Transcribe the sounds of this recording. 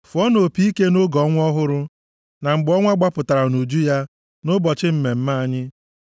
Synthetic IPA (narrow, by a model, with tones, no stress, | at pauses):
fɔ˦no˨pi˦i˦ke˦no˦ɡɔ˨˦ŋʷ˦ɔ˦ɦʊ˦ɾʊ˦ | na˨ŋ͡m̩˨ɡ͡bɔ˦ŋʷa˦ɡ͡ba˦pʊ˨ta˨ɾa˨nu˨d͡ʒu˦ja˦ | nʊ˦bɔ˨t͡ʃɪ˦m̩˦me˨m̩˦ma˦a˦ɲɪ˦